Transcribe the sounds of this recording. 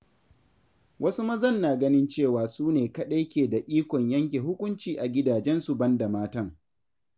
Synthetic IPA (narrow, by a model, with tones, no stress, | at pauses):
wʔɐ˦su˦mɐ˦zɐ˦˨nːaː˨ɡɐ˦nɪ˦nt͡ʃeː˦˨waː˨suː˦neː˨kɐ˦ɗe˦jkʲeː˨da˨ʔiː˦kʷɔ˨ɲjɐ˦ŋk̬ʲeː˨ɦʊ˦kʷʊ˦nt͡ʃiː˨ʔa˨ɡʲɪ˦daː˨d͡ʒɛ˦nsu˨bɐ˦nda˨maː˦tɐ˦˨ŋ